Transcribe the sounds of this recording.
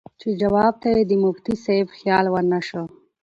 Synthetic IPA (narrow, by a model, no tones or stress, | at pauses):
t͡ʃed͡ʒawɑb̚t̪ajed̪əmʊft̪isejfxjɑlwaɾnaʃo